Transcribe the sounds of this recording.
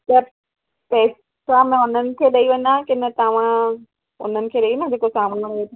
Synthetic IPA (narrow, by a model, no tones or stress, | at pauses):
t̪ɐ | pɛːs | amẽʊnənɪ̆kʰeːɗɐiʋɐɲãkɪnət̪ɐʋ̤ã | ʊ̰n̤ənɪ̆kʰeːɗɐiʋenãd͡ʑeːkosaːmnɐɽeːt̪ʰa